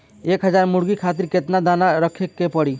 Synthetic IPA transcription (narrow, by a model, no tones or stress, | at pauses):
ekɦəd͡ʒaɾmuɽɡikʰat̪̬iɾket̪nad̪anaɾəkʰekːepəɽi